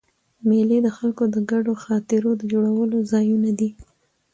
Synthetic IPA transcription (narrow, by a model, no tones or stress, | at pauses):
melid̪əxalkod̪əɡaɖoxɑt̪ɪɾod̪əd͡ʒoɽawəlozɑjunad̪i